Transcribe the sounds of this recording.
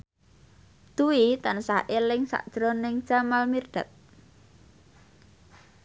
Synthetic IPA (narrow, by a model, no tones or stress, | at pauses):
d̪̥uwit̪ansaʔelɪŋsa̰ʔd̥ʒ̥ɾonɪŋ̥ʒ̥amalmird̪̥a̤̰t̪̚